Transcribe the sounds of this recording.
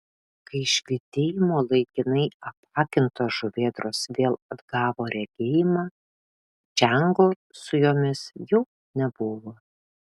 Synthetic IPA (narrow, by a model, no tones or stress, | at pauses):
kɐɪɪʃʲlʲɪt̪ʲeːjɪmoːlˠɐɪkʲɪnɐɪɐpɑːkʲɪnt̪oːʒʊʋʲeːd̪ɾoːsʋʲeːlˠɐd̪ɡɑːʋoːɾʲɛɡʲeːjɪmɑː | d͡ʒʲɛŋɡoː | sʊjoːmʲɪsjɛʊ | nʲɛbʊʋoː